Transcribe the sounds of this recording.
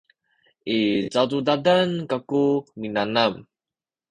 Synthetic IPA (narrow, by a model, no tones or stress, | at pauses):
ʔit͡satudadankakuminanam